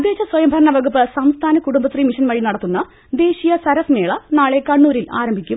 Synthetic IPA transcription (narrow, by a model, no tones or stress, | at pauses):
ɐd̪ʱje̞ːt͡ɕːɐswɐjɐmbʱɐɾɐɳɐʋɐɡupːɨsɐmst̪ʰaːnɐkuɽumbɐt̪rimiʂɐnmɐɻinɐɽɐt̪ːunːɐ | d̪e̞ːɕijɐsɐɾɐsme̞ːɭɐnaːɭe̞kɐɳːuːɾilaːɾɐmbʱikʲːum